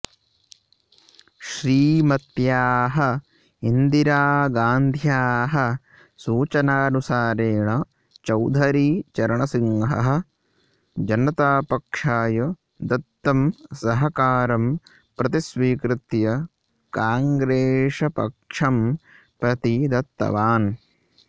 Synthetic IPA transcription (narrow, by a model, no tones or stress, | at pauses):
ʃɾiːmɐt̪jaːɦɐ̆ | ind̪iɾaːɡaːnd̪ʱjaːɦɐ̆ | suːt͡ʃɐnaːnusaːɾeːɳɐ | t͡ʃɐwd̪ʱɐɾiːt͡ʃɐɾɐɳɐsiŋɦɐ̰ɦɐ̆ | d͡ʒɐnɐt̪aːpɐkʂaːjɐ | d̪ɐt̪ːɐmsɐɦɐkaːɾɐm | pɾɐt̪isʋiːkɾɪt̪jɐ | kaːŋɡɾeːʂɐpɐ̰kʂɐm | pɾɐt̪id̪ɐt̪ːɐ̰ʋaːn